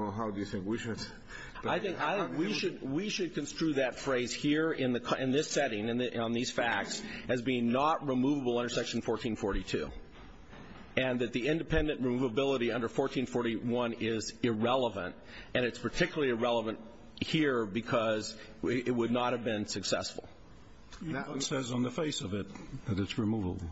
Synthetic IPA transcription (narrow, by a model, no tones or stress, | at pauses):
wlˠɦaʊdɨjɨθɪ̃ŋkwiʃɨd̥ | b̥ʌaɪθɪ̃ŋkaɪ̃wiʃɨd̚wiʃɨd̚kɨ̃nstɹ̥ʉðɨtfɹeɪz̥hiɹɪ̃nðɨkʰɪ̃nðɪsɛɾɪ̃ŋɨ̃nðʔə̃nðiz̥fæk̚tsɨzbiɪ̃ŋnəʔ̚ɹimuvəbl̩ˠʌ̃ndə˞sɛkʃn̩fɔɹtʰĩnfɔɹɾitʰʉ̰ | ɨ̃nðɨt̪̚ðiɪ̃ndɨpʰɛ̃ndɨ̃nʔɹɨmuvəbɪlˠəɾiʌ̃ndə˞fɔɹtʰĩnfɔɹɾiwʌ̃nɪzɪɹɛlˠəvə̰̃nt | ɨ̃ñɨtspʰə˞tʰɪkjl̩ˠlˠiɨɹɛlˠəvɨ̃nt̚ | hiɹbɨkʰʌz | ɪt̚wədⁿnət̚hɨvbɪ̃nsɨksɛ̰sfl̩ˠ | ʌsɛzn̩ðəfeɪsʌvɪt̪̚ðɨɾɨtsɹɨmuvəbl̩ˠ